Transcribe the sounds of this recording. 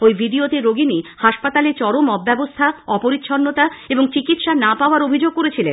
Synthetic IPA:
ojbʱiɖiot̪eɾoɡinihaʃpat̪alet͡ɕɔɾomɔbːɛbost̪ʰaɔpoɾit̪ːɕʰɔnːot̪aeboŋt͡ɕikit̪ʃanapaoaɾobʱid͡ʑoɡ̚koɾet͡ɕʰilḛn

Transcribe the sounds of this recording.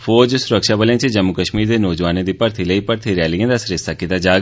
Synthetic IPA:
fʰoːd͡ʒsʊɾəkʃaːbəlẽːt͡ʃd͡ʒəmːukəʃmiːɾd̪eːnɔːd͡ʒʋaːnẽːd̪iːpəɾt̪ʰiːləiːpəɾt̪ʰiɾjaːliãːd̪aːsɾɪsaːkɪt̪aːd͡ʒaːɡ

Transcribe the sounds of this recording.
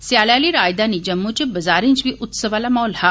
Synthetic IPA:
sjaɭjaliɾaːjd̪anid͡ʑəmːut͡ɕibɐzaːɾẽɲt͡ʃbiʔʊt̪səʋalamɔːlha

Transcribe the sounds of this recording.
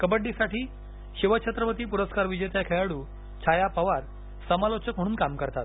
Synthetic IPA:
kəbəɖːisaʈiː | ɕiʋət͡ɕʰət̪ɾəpət̪iːpuɾəskaɾʋid͡ʑejt̪jakʰejaɽuː | t͡ɕʰajapəʋaɾ | səmalot͡ɕək̚m̤əɽ̃uːnkamkəɾt̪at̪̚

